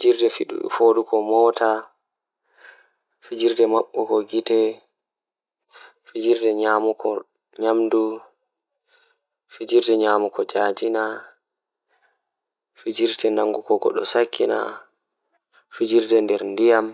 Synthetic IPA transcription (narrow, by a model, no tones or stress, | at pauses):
fid͡ʒiɾdɛfiɗṵɗṵfoːdukɔmɔːta | fid͡ʒiɾdɛmaɓːɔkɔɡitɛ | fid͡ʒiɾdɛɲaːmukʰɔ | ɲamdu | fid͡ʒiɾdɛɲaːmukɔd͡ʒaːd͡ʒina | fid͡ʒiɾtɛnaŋɡukɔɡɔ̰ɗɔsakːina̰ | fid͡ʒiɾdɛndɛɾndijam